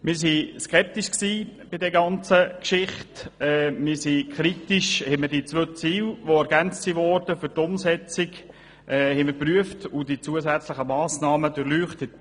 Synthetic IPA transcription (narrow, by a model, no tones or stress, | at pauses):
mɪɾsiskɛp̚tiʃksiːb̥ɪdɛɾɡɑnt͡səkʃɪχtɛːmɪsikχɾitiʃhɛmədit͡sʋøt͡siːlʋoæɾɡ̥ænt͡stsiʋɔrd̥əfʏɾtʊmsɛt͡sɪɡ | ʔɛːhɛɪmɪpryəftʊd̥it͡suəzæt͡sləχəmɑːsnɑːməd̥əɾlyːχtət